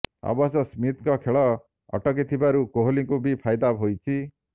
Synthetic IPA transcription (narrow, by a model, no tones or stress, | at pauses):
a̰basɔsmit̪kɔkʰeɭɔ | ɔ̰ʈɔk̬it̪ʰibaɾukoɦoliŋkubipʰajd̪abɦojt͡ʃʰi